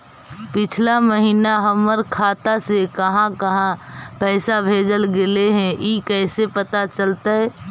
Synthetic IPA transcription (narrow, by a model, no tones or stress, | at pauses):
pɪt͡ʃʰlaməɦiːnaɦəməɾkʰaːt̪asekəɦãkəɦãpɛːsabʱeːd͡ʒəlɡeleɦɛ̃ʔikɛɪsepət̪at͡ʃəlt̪aɛ